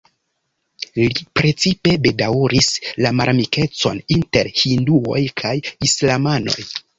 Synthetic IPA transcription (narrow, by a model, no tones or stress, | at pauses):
lipɾe̞t͡sipe̞be̞dawɾislamaɾmike̞t͡so̞̰ninte̞ɾhinduo̞̰jkʰajislamano̞̰j